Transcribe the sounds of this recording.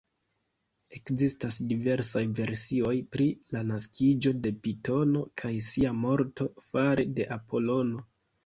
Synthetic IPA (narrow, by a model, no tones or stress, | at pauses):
e̞kzistasdive̞ɾsajve̞ɾsio̞jpɾilanaskʰid͡ʒo̞de̞pito̞no̞kʰajsiamo̞ɾto̞faɾede̞ʔapo̞lo̞no̞